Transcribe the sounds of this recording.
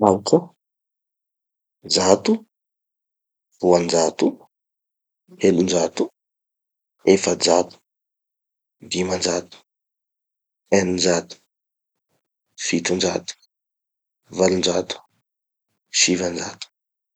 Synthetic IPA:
maku | d͡zat̪u | vuand͡ʒat̪u | helund͡ʒat̪u | efəd͡zat̪u̥ | d̪imand͡ʒat̪u̥ | enind͡ʒat̪u̥ | fit̪und͡ʒat̪u̥ | valund͡ʒat̪u̥ | sivand͡za̰t̪u̥

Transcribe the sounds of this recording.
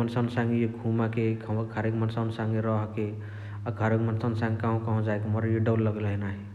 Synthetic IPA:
ənsənsãŋɡejeɡʱumakekʰkʰəɾekmənsənsãŋɡeɾɔɦke | aɡʱəɾekmənsənsãŋɡkãɦũkɔɦõd͡ʒaekeməɾjiɖəwlːəɡlɦɛnaɦi

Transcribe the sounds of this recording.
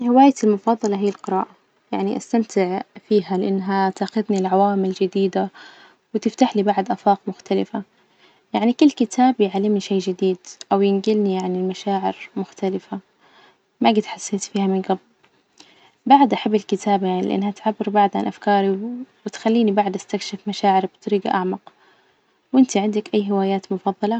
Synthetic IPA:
hɪwaːjat̪ɪlmʊfɑːðˤːɑlɑɦijːalqɨɾaːʔa | jaʕniʔast̪amt̪ʰɪʕfiːɦalɪʔɪnːɦat̪aːxʊðnilʕawaːmɪld͡ʒɪd̪iːd̪a | wɪt̪ɪft̪aħlibaʕd̪ʔaːfɑːqmʊxt̪alɪfa | jaʕnikʊlːkɪt̪ʰaːbjʕalːɪmniʃeːd͡ʒɪd̪iːd̪ʔawjɪnɡɪlnijaʕnɪlmaʃaːʕɪɾmʊxt̪alɪfa | maɡɪt̪ħasːeːt̪fiːhamɪnɡabl | baʕd̪ʔaħabːɪlkɪt̪ʰaːbjaʕnilɪʔɪ̰nːhat̪ʕabːɪɾbaʕd̪ʕa̰nʔafkɑːɾiwɪt̪xalːiːnibaʕd̪ʔast̪akʃɪfmaʃaːʕɪɾbt̪ˤɑɾiːɡa̰ʔaʕmɑq | wʔɪnt̪iʕɪnd̪akʔajːɦɪwaːjaːt̪mʊfɑðˤːɑlɑ

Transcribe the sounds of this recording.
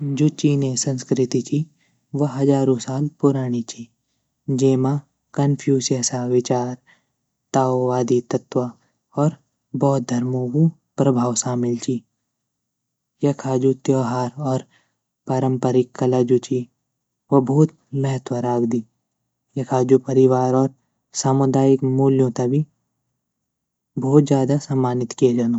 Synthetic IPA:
d͡ʒut͡ʃinesɐ̃nskɾɪt̪it͡ʃʰi | ʋɐɦɐd͡ʒaːɾõsaːlpʊɾaːɽ̃it͡ʃʰi | d͡ʒeːma | kɐnpʰjuːsjəsaʋɪt͡ʃaːɾ | t̪aːoʋaːd̪it̪ɐt̪ʋa | ɔːɾ | bɔːt̪̚d̪ʱɐɾmõku | pɾɐbʱaːwsaːmɪlt͡ʃʰi | jɐkʰaːd͡ʒut̪joːɦaːɾɔːɾ | paɾə̃mpəɾɪkːɐlad͡ʒut͡ʃi | ʋɐbuːt̪ | mɛɦət̪wəɾaːɡd̪i | jɐkʰaːd͡ʒupɐɾɪʋaːɾɔːɾ | saːmʊd̪aːjɪkmuːljõt̪ɐbʱi | bɔːt̪d͡ʒjaːd̪asɐmːaːnɪt̪kied͡ʒanoː

